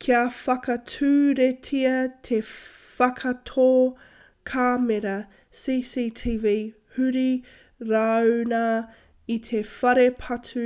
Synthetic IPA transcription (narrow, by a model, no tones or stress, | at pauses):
kʰiɐfɐkɐtʰʉːɾetʰiɐt̪ʰe | fɐkʰɐtʰoː | kʰaːmeɾɐ | siːsitʰivi | hʉɾi | ɾaːna | it̪ʰefɐɾepʰɐtʰʉ